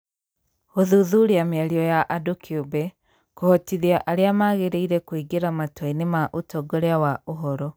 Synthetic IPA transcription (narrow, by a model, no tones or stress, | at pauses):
ɣoðuðuɾiameaɾiɔjaʔadokʰiubɛ | kohɔtiðiaʔaɾeamaɣeɾeiɾɛkwiɡeɾamatwɔinemaʔutɔɡoɾeawaoɦɔɾɔ